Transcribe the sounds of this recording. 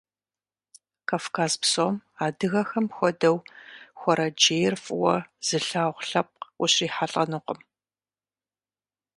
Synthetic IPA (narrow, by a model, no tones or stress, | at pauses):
kʰaːfkʰaːzpsomaːdɨɣɐxɐmxʷɔdɐwxʷɔɾɐd͡ʒeːjrfʼɨwɔz̥ɨɬaːʁʷɬɐp̚qʷʊɕiːħaɬʼɐnɨqʷəm